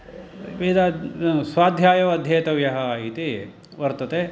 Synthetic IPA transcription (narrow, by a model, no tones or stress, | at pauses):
ʋiːd̪asʋaːd̪ʱjaːjɐʋɐːd̪ʱjeːt̪ɐʋjɐɦɐit̪i | ʋɐɾt̪ɐt̪e